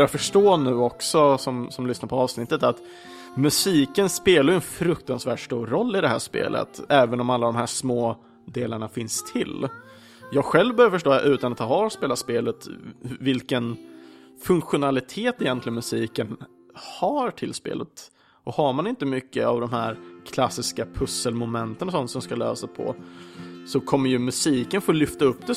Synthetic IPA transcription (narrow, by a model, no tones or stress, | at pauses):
bɾjafœʂʈoːnʉ̟ːɔksɔsɔmsɔmlʏsnaɾpʰɔɑːvsnɪt̪ːət̪at̪ | mɵsiːkənspeːlaɾjɵɛnfɾɵk̚t̪ansvæːʈʂtuːɾɾɔlːɪd̪ɛɦæ̰ːʂpḛːlʔə̰t̪ɛːvənɔmalːad̪ɔmɦæːʂmoː | d̪eːlaɳafɪnst̪ʰɪl | jɑːɡɧɛlvbœːɾjafœʂʈo̰ːʔʉ̟ːt̪anat̪hɑːɑspeːlaspeːlət̪vɪlkən | fɵŋkɧʊnalɪt̪ʰeːt̪ɛjɛnt̪lɪɡənmɵsiːkən | haɾʈʰɪlspḛːlət̪ | ʔɔhaɾmanɪnt̪əmʏkːə̰a̰vd̪ɔmhæːɾkʰlasːɪskapʰɵsːəlmʊmɛnt̪ənɔsɔnt̪sɔmskalø̰ːsapʰɔ̰ | sɔkʰɔmːəɾjɵmɵsiːkənfoːlʏft̪aɵpːd̪ɛ